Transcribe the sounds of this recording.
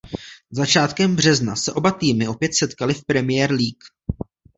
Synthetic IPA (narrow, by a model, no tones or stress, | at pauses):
zat͡ʃaːt̪kɛmbr̝ɛznasɛʔo̞bat̪iːmɪʔo̞pjɛt̪sɛt̪kalɪfpɾɛmɪjɛːɾliːk